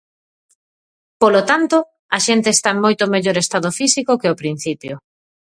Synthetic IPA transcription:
polot̪ant̪o | ɐʃent̪eːst̪aeŋmojt̪omeʎoɾest̪aðofisikokeopɾin̟θipjo

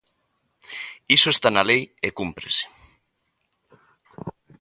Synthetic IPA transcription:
isoest̪analejekumpɾḛse̥

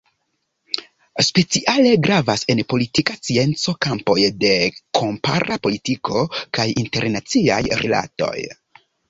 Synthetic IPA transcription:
spe̞t͡siʔale̞ɡɾavase̞npo̞litikast͡sie̞nt͡so̞kampo̞jde̞kʰo̞mpa̰ɾʔapo̞litikʰo̞kajinte̞ɾnat͡sia̰jɾḛla̰to̞̰j

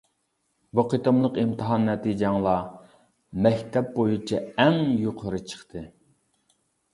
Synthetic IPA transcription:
vəqʰɨt̪əmlˠəqimt̪ʰɨɦɑnːɛt̪id͡ʒɛŋlˠɑ | mɛkʲt̪ʰɛp̚bojut͡ʃʰɛɛŋjoqʰəɾɨt͡ʃʰə̥χt̪ʰɨ

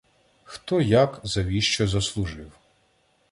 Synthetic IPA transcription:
xt̪ɔjakzɐʋʲiʃt͡ʃɔzɐslˠʊʒɪw

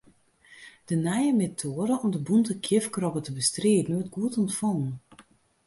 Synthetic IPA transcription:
d̥ənɛjəmetʰoːəɾəʔɔmdəbuntəkʰjɪfkrɔpətəbəstreːdn̩ʋɔt̚ɡ̥uətɔntfoːn

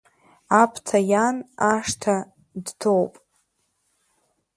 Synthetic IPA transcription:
apʰtʰajanaʂtʰa | dtʰowpʼ

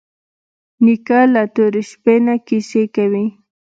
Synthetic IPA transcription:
nɪkalat̪ʊɾɪʃpenakɪsekawɪ

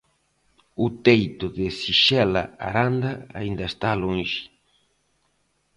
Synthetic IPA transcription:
ʊt̪ejt̪ʊðɪsiʃɛla̰a̰ɾand̪ɐa̰ind̪ɐest̪alõnʃɪ̥

